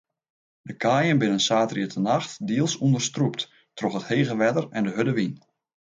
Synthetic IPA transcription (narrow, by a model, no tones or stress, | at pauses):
dəkʰaːjənbɪnənsaːtəriətʰənaxtdiəlˠsundərstrup̚t | troxətheːɣəʋɛdərɛndəɦødəʋin